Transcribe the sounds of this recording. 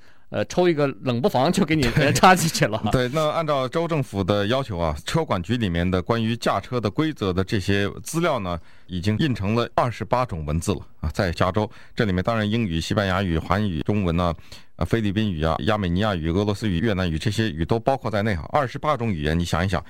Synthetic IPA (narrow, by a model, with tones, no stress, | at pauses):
ə̰˧ʈ͡ʂʰo˥ʊi˥˩ɡə˧lə˨˩ŋpu˥˩fɑ˧˥ŋt͡ɕjo˥˩ʊke˧˥i˨˩e˥˧ʈ͡ʂʰa˥t͡ɕi˧˥t͡ɕʰy˥˩lə˨˧twe˥˩ɪna˥˧ə˩a˥˧nʈ͡ʂɑ˥˩ʊʈ͡ʂo˥ʊʈ͡ʂɤ˥˩ŋfu˨˩d̪ə˧jɑ˥ʊt͡ɕʰjo˧˥ʊa˧ʈ͡ʂʰɤ˥kwa˨˩nt͡ɕy˧˥li˨˩mjɛ˥˩nd̪ə˨kwa˥ny˧˥t͡ɕja˥˩ʈ͡ʂʰɤ˥d̪ə˨kwe˥ɪt͡sɤ˧˥d̪ə˧ʈ͡ʂɤ˥˩ɕjɛ˥t͡sɹ̩˥ljɑ˥˩ʊnə˩ | i˨˩t͡ɕi˥ŋi˥˩nʈ͡ʂʰɤ˧˥ŋlə˧ɐ˥˩ʂɻ̩˧˥pa˥ʈ͡ʂʊ˨˩ŋwə˧˥nt͡sɹ̩˥˩lə̰˩˧t͡sa˥˩ɪt͡ɕja˥ʈ͡ʂo˥ʊ | ʈ͡ʂɤ˥˩li˨˩mɛ˥˧nt̪ɑ˥ŋɻa˧˥ni˥ŋy˨˩ɕi˥pa˥nja˧˥y˨˩xwa˧˥ny̰˨˩ʈ͡ʂʊ˥ŋwə˧˥nə˧ | fe˥ɪli˥˩pi˥ny˨˩a̰˧ja˥me˨˩ɪni˧˥ja˥˩y˨˩ɤ˧˥lwɔ˧˥sɹ̩˥y˨˩ɥɛ˥˩na˧˥ny˨˩ʈ͡ʂɤ˥˩ɕjɛ˥y̰˨˩t̪o˥ʊpɑ˥ʊkʰwɔ˥˧t͡sa˥˧ɪne˥˩ɪxŋʔɐ˥˩ʂɻ̩˧˥pa˥ʈ͡ʂʊ˧˥ŋy˨˩jɛ̰˧˥ni˧˥ɕjɑ̰˨˩ŋi˧˥ɕjɑ̰˨˩˦ŋ